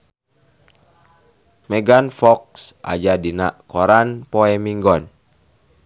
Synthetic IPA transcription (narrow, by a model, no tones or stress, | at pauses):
mɛɡanfɔk̚sʔa̰d͡ʒadina̰ʔkɔɾanpɔɛmiŋɡɔn